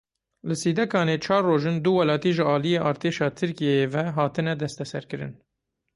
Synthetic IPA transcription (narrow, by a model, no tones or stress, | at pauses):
lɨsiːd̪ɛkʰɑːneːt͡ʃʰɑːɾːoːʒɨnd̪uwɛlɑːt̪iːʒɨɑːlijeːʔɑːɾt̪ʰeːʃɑːt̪ʰɨɾkijeeːvɛɦɑːt̪ɨnɛd̪ɛst̪ɛsɛɾkɨɾɨ̰n